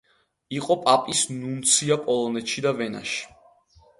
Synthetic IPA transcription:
iqʼɔpʼapʼisnunt̪sʰiapʼɔlˠɔnɛt̪ʃid̪avɛna̰ʃi̥

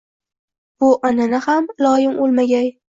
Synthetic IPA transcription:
bʊʔɒnanɪhamlɒjɪmolˠmaɡʲaj

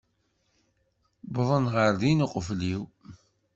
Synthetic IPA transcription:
bðˤənʁəɾðinuqəfliw

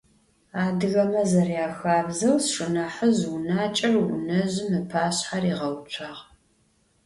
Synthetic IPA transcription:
aːdɨɣɐmɐzɐrjaːxaːbzɐwsʂʼɨnɐħəzʊnaːt͡ʃʼɐrwʊ̰nɐʑɪmɨpʰaːɕħariːʁɐwt͡ʃʷʰaʁ

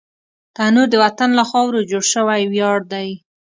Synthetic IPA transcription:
t̪anuɾd̪əwat̪anlaxɑwɾod͡ʒoɽʃəwajwjɑɽd̪aj

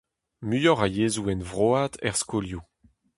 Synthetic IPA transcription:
myjɔʁajeːzuɛnvʁoaːdɛ̰ʁskolju

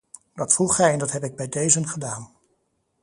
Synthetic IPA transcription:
dɑtfruχɛjɛndɑtɦɛpɪɡ̚bɛjdejzənχədaːn

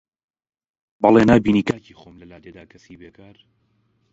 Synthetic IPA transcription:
bɑlenaːbiːniːkaːciːχoːmlɐlaːd̪eːd̪aːkɐsiːbeːkaːɾ

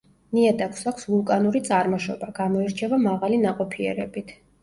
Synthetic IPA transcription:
niɛd̪akʰsakʷʰsvulˠkʼanuɾit̪sʼaɾmɔʃɔ̰baɡ̥amɔiɾt͡ʃʰɛvamaʁalinaqʼɔpʰiɛ̰ɾɛbit̪ʰ

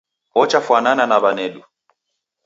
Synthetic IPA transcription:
ɔt͡ʃafwanananaβanɛɗu

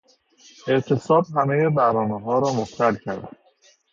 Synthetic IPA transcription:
e̞ʔt̪ʰesɒːb̚ɦæmejebæɾɒːneɦɒːɾɒːmoxt̪ʰælcʰæɾd̪æd̪

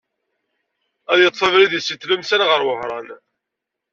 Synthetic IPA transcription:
æðjət̪ˤːfəvɾiðisiθləmsænʁəɾwəhɾˤɑn

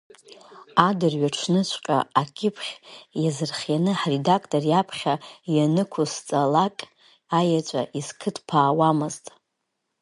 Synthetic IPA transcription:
adɨrɥaʈ͡ʂʰnɨt͡ɕʷʰʼqʲʼa̰akʲʼɪpʰχʲjazɨrχjanɨħredakʰʼtʼorjapʰχʲajanɨkʷʰust͡sʼalakʼ | ajat͡ʃʷʼa̰ʔiskʰɨtʰpʰaːwamɨztʼ

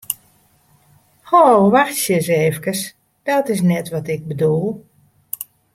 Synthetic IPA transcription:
hoʋaxtsjəseːfkəs | d̥ɔtɪs̬nɛtʋɔtɪk̚bədulˠ

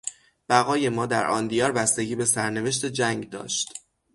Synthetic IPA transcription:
b̥æɣɒːje̞mɒːd̪æɾʔɒ̰ːnd̪ijɒːɾbæst̪e̞ɟiːbe̞sæɾne̞ve̞ʃ̬t̪e̞d͡ʒæŋɡd̪ɒ̰ːʃt̪

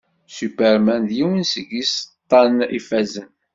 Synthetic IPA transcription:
sypəɾmænd̪jiwinsəɡist̪ˤːɑnifæzən

